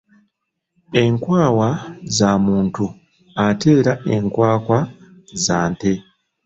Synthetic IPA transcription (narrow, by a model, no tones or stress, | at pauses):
e̞ŋkwaːwazamuːntu | ate̞ːɾae̞ŋkwaːkwa | zaːnte